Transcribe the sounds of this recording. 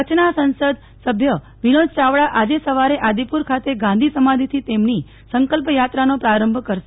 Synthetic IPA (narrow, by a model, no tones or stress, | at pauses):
ət͡ʃʰnasə̃nsəd̪ | səbʱjə | ʋinod͡ʒt͡ʃaʋɭaʔad͡ʒesəʋaɾeʔad̪ipuɾkʰat̪eɡãnd̪ʱisəmad̪ʱit̪ʰit̪emni | səŋkəlpjat̪ɾanopɾaɾəmbʱkəɾʃe